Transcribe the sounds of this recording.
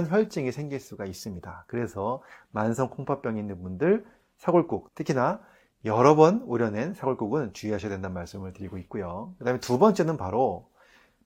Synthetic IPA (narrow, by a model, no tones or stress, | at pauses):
nçjʌɭt͡ɕ͈iŋisʰeŋɡiɭs͈uɡais͈ɯmɲidakɯɾe̞sʰʌmansʰʌŋkʰoŋpʰap͈jʌŋinːɯnbundɯɭ | sʰaɡoɭk͈uk̚tʰɯkʰina | jʌɾʌbʌnuɾjʌne̞nsʰaɡoɭk͈uɡɯnt͡ɕuiɦaɕʰʌdwe̞ndanmaɭs͈ɯmɯɭtɯɾiɡoit̚k͈ujokɯdaɦmetubʌnt͡ɕ͈e̞nɯnpaɾo